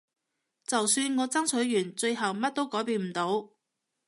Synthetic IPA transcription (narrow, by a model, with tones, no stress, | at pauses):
t͡sɐ˨wsyː˧nŋɔː˨˧t͡sɐ˥ŋt͡sʰɵ˨˥ɥjyː˨˩nt͡ʃɵ˧jɦɐ˨wmɐ˥t̚t̪o˥wkɔː˨˥jpiː˧nm̩˨˩t̪o˨˥w